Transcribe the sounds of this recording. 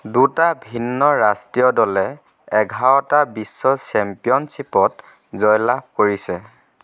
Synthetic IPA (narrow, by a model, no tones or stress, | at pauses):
dutabʱinːɔɹastijɔdɔlɛ | ɛɡʱaɔtabisːɔsɛmpijɔnsipɔt | zɔjlakoɹisɛ